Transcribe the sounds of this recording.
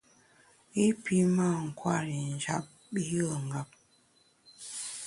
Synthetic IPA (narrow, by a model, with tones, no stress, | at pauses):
i˦pʰi˦ma˦˨ŋ̩˨kwa˦˨ɾi˨n̩˨d͡ʒa˦p̚ | bi˦jə˦˨ŋ̩˨ɡa˨p̚